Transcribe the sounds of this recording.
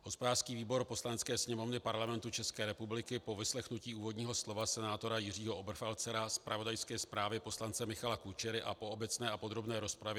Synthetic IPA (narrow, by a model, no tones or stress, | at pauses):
ɦo̞spodaːrskiːviːbo̞ɾpo̞slanɛt͡skɛːsɲɛmo̞vnɪpaɾlamɛnt̪ut͡ʃɛskɛːɾɛpublɪkɪpo̞vɪslɛxnuciːuːvodɲiːɦo̞slo̞vasɛnaːt̪o̞ɾajɪr̝iːɦo̞ʔobr̩falt͡sɛɾaspɾavo̞dajskɛːspɾaːvɪpo̞slant͡sɛmɪxalakut͡ʃɛɾɪʔapo̞obɛt͡snɛːapo̞d̪ɾo̞bnɛːɾo̞spɾavɛ